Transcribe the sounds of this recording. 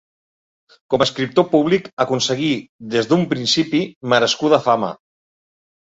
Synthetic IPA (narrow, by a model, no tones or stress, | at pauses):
koməskɾip̚t̪opuβlikəkunsəɣiðezðumpɾinsipiməɾəskuðəfamə̰